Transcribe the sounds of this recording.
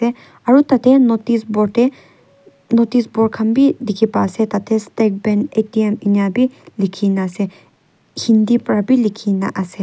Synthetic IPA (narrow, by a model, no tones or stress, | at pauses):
e | ɐɾut̪ɐt̪ʰenot̪isboʈe | not̪iːsboɾkʰɐmbid̪ikʰipa̰ːset̪ɐt̪ʰest̪ek̚beneʈieminaːbilikʰinase | hind̪ipɾabilikʰina̰ʔɐse